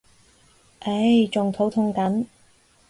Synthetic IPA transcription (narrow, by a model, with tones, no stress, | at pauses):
ʔe˨˥jt͡ʃʊ˨ŋt̪ʰo˨˥wt̪ʰʊ˥ŋkɐ˨˥n